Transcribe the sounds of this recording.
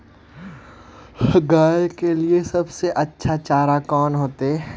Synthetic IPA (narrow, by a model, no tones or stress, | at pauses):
ɡaːjekeliesɐbseʔɐtːʃʰat͡ʃaːɾakɔːnɦoːt̪eɛ